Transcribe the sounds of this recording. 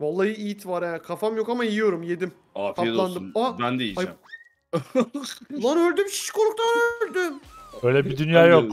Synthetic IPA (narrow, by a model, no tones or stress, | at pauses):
valˠːajɯijit̪ʰvaɾakʰafamjo̞kamaijijo̞ɾumje̞d̪im | afailˠand̪ɯmaænd̪ejiaj | lːˠaɾøɾd̪ymʃi̥ʃkoɾukt̪anøɾd̪ymøːjlʲɛbid̪ynjaːjo